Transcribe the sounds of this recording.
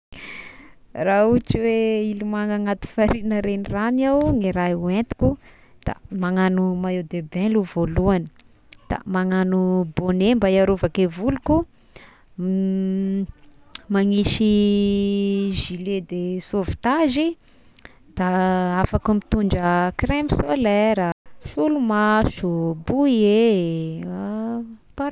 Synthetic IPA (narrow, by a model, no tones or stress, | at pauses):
raut͡ʃiweilimaŋaŋat̪u̥faɾinəɾeniranawŋiɾaent̪i̥kʲu | d̪̥a̰maŋanumaewd̪ebeluvoluani | d̪̥a̰maŋanubonembajaɾovakevuluku | maŋiʃi | ʒiled̪esovi̥t̪aʒi | d̪̥aafakumit̪uɳɖ͡ʐəkremisolɛɾafulumaʃubuie | pa